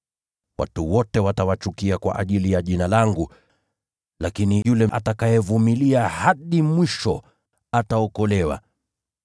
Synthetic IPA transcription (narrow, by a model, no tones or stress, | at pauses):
wʔa̰tuwɔtɛwatawat͡ʃukiakwa̰ʔa̰ʄilijaʄinalaŋɡu | lakinijulɛʔatakajɛvumiliahaɗimwiʃɔ̰ | ataɔkɔlɛwa̰